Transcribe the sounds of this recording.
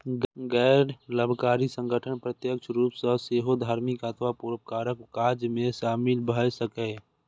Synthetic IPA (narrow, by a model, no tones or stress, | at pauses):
ɡɛːɾləbʱkaːɾisə̃ŋɡʱəʈʰənpɾət̪jəkt͡ʃʰɾuːpsəseːɦod̪ʱaːɾmɪkaːt̪ʰʋapuːɾəp̚kaːɾəkːaːɾd͡ʒmẽʃaːmɪlbʱəsəkɛ